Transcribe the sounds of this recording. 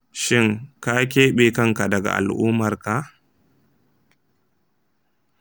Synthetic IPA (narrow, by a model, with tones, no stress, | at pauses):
ʃɪ˦˨ŋka˦k̬ʲeː˦ɓi˦kɐ˦ŋka˨dɐ˨ɡa̰˨ʔa̰˨lʔʊː˦mɐ˨rka˨